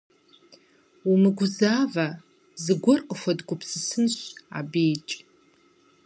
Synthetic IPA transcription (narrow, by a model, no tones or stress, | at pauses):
umɨɡʷʊzaːva | zɨɡʷʊrqʼəfʷadɡʷʊpʰsɨsɨnʃʷa̰bejt͡ʃʼ